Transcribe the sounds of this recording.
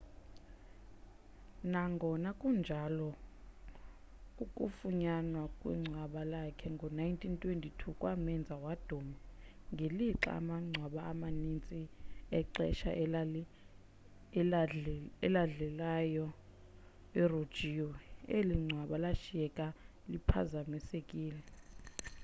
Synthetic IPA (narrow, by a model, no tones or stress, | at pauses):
naŋɡʱɔnakʼund͡ʒʱalɔ | kʼukʼufuɲanwakʼwḭŋ͡ǀʱwaɓalakʰɛŋɡʱɔnajintʰʼintʰʼwentʰʼitʰukʼwamɛnd͡zʱawad̥ʱoːma | ŋɡʱeliǁa̰maŋ͡ǀʱwaɓaamanint͡sʼiɛǃɛ̰ʃa̰ | ɛlaɮɛlajɔ | ɛrod̥ʒ̥ʱiɔeliŋ͡ǀʱwaɓalaʃiɛkʼa | lipʰa̰zamisekʼiːlɛ